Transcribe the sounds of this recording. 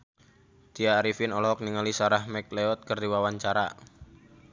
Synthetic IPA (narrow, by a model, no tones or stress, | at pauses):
t̪iaɾifɪnɔlɔɔk̚niŋalisaɾahmɛk̚leɔt̪̚kərdiwawaɲt͡ʃaɾa̰